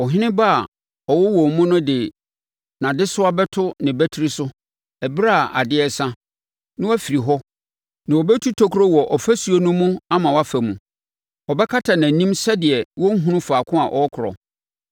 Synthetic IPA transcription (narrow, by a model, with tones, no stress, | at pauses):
ɔ˨ɦɪ̃˦nɪ̃˦ba˦a˨ | ɔ˨wɔ˦wɔ˨mʊ̃˦nʊ̃˦dɪ˨ | nã˨dɪ˦sʊ˦a˦bɛ˦tʰʊ˦nɪ̃˨bɛ˦tʰi˦ɾi˦sʊ˦ | ɛ˨bɾa˦˨ʔa̰˨dɪ˦ɛ˦sã˦ | nɪ̃˦wɔ˦fi˨ɾi˨ɦɔ˦ | nã˨ɔ˨bɛ˦tʰu˦tʰo˦kʰɾo˦wɔ˨ʔɔ˨fæ˦su˨˦o˦nʊ̃˦mũ˦a˦mã˨wa˦fæ˨mũ˨ | ɔ˨bɛ˦kʰa˦tʰa˨nã˨nĩ˦msɛ˦dɪ˨ɛ˨wɔ˦ŋ̩˦ɦũ˦ʊ̃˦faː˨kʰʊ̃˦a̰˨ʔɔ˨ɔ˦kʰʊ˨ɾɔ̰˨